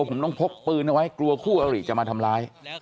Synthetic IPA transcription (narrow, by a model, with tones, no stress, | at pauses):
pʰo˩˦mt̪ɔ˥˩ŋpʰo˦˥k̚pɯː˧nʔa˧wa˦˥jklu˧ɐkʰuː˥˩ʔa˧ɾiː˨˩t͡ɕa˨ʔmaː˧t̪ʰa˧mlaː˦˥j